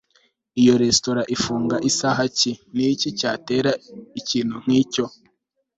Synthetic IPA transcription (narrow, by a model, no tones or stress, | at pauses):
ijo̞ɾe̞sto̞ɾaʔifuːŋɡaʔisaːɦacinicicaːte̞ːɾaiciːn̥huŋ̥iːco̞